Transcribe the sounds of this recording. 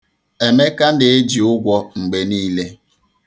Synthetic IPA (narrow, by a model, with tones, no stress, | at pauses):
e˨me˦ka˦n̩˦dɪ˨e˦d͡ʒi˨ʊ˦ɡʷɔ˦ŋ͡m̩˨ɡ͡be˨niː˦le˦